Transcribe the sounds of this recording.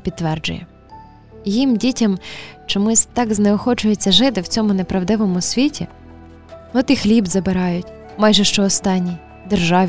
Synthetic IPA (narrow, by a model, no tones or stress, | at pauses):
pʲid̪t̪ːʋɛrd͡ʒʊ̰jɛ̰ | jimdʲitʲɐmt͡ʃɔmʊsʲt̪ɑɡzneɔxɔt͡ʃʊjet͡sʲːɐʒɪt̪ɪwt͡sʲɔmʊnepɾɐwd̪ɪʋɔmʊsʲʋʲitʲḭ | ɔt̪ixlʲibzɐbɪɾɑjʊtʲ | mɑjʒɛʃt͡ʃɔːst̪ɑnʲːij | d̪erʒɑʋʲ